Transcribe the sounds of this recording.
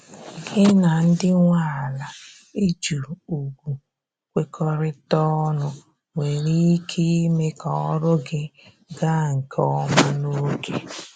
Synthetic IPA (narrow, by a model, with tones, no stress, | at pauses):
ɡɪ˦na˨n̩˦dɪ˦ŋʷa˦˨la˨ | i˦d͡ʒu˨u˨ɡʷu˨ | kʷe˦kʰɔ˦ɾɪ˦tɔ˦nʊ˦ | ŋʷe˨ɾi˦kʰi˦me˦kɔ˨ɔ˦ɾʊ˦ɡɪ˦ | ɡa˦ŋ̩˨kʰɔ˦ma˦no˦kʰe˨